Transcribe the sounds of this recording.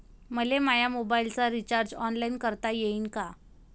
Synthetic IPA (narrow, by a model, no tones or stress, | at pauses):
məlemajamobailt͡saɾit͡ɕaɾd͡ʑɔnlainkəɾt̪ajeiːnka